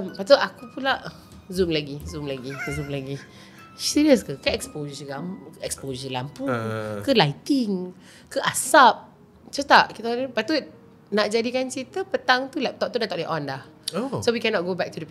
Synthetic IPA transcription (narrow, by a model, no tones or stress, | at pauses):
mpat̪̬əʔakupulaʔ | zumlaɡizumlaɡizumlaɡi | siɾiəskəkəɛkspoʒəlamɛkspozəlampukəlajt̪iŋ | kəʔasap̚ | t͡ʃət̪aʔkit̪apat̪ut̚ | naʔd͡ʒadikant͡ʃit̪əpət̪aŋt̪ulɛp̚t̪ɔp̚t̪udat̪aʔlɛʔɔ̃ndah | osowikɛnɔt̚ɡobɛk̚tudə